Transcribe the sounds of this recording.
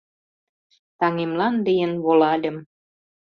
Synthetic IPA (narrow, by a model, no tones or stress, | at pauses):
t̪ɑŋemlɑnd̪əjənβolɑd̪ə̆m